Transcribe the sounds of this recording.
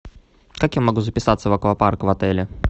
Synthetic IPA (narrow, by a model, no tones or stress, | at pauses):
kakjamɐɡuzəpʲɪsat̪səvɐkəvaparkəvɐt̪ɛlʲɪ